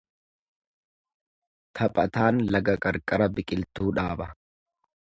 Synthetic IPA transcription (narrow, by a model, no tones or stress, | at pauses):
t̪ʰɐpʼɐt̪aːnlɐɡɐkʼɐɾkʼɐɾɐbɪkʼɪlt̪uːᶑaːbɐ